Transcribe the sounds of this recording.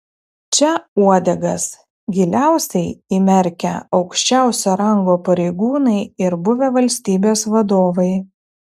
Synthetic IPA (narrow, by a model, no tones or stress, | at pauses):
t͡ʃʲɛuɔd̪ʲɛɡɐs | ɡʲɪlʲæˑʊsʲɛɪimʲɛɾʲkʲɛ̰ɒʊkʃʲt͡ʃʲæˑʊsʲoːɾɐŋɡoːpɐɾʲɛɪɡuːnɐɪɪɾbʊʋʲɛʋɐlʲsʲt̪ʲiːbʲeːsʋɐd̪oːʋɐɪ